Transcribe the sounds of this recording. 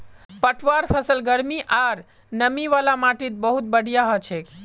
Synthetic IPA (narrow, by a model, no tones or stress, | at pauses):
pəʈʰʋaɾpʰəsəlɡəɾmiʔaɾ | nəmiʋalamaʈit̪̚bəɦut̪̚bəɽ̤ʱijaɦot͡ʃʰe